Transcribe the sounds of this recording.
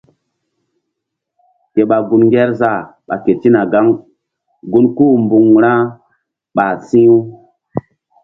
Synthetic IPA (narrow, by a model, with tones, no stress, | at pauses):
ke˨ɓa˨ɡu˧˨nŋɡɛ˦ɾza˦˨ɓa̰˨ke˨ti˦na˨ɡa˦ŋ | ɡu˦nku˦mbu˨ŋɾã˦ | ɓa˨sĩ˦u˦